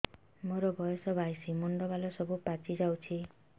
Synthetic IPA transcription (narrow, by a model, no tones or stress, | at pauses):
moɾɔbʱɔjɔsɔbʱajsimoɳɖɔbalɔsɔbupat͡ʃid͡ʒawt͡ʃʰi